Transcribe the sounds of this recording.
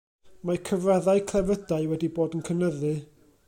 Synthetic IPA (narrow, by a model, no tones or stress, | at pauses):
makʰəvraðaɨkʰlˠɛvədaɨwɛdiboːdənkʰənəðɨ